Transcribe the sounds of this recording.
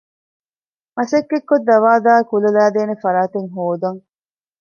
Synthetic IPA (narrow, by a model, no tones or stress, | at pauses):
mɐsɐkːekːod̪ːɐʋaːd̪aːkulɐlæːd̪eːnefɐɾaːt̪eŋɦoːd̪ɐŋ